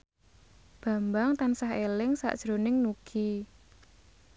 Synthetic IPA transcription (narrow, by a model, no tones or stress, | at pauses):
b̥ä̤mbaŋt̪ansahelɪŋsa̰ʔd̥ʒ̥ɾonɪŋnuɡ̥i